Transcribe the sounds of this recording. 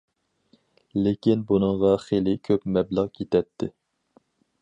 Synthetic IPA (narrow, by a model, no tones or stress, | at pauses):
lɪkʲinbunɨŋʁɑχelɪkʲʰøpmɛblˠɑqjʰet̪ʰɛt̪ʰːɪ